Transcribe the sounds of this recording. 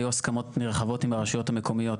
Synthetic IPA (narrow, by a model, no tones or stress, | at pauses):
juaskamo̞t̪niʁχavo̞timaʁaʃujo̞thame̞ko̞mijo̞t